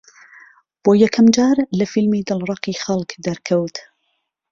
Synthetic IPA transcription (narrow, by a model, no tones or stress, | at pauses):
b̥oːjɐkʰɐmd͡ʒaːɾlɐfilmiːd̪ɨlrˤɑqiːxɐlkd̪ɐɾkʰɐwt̪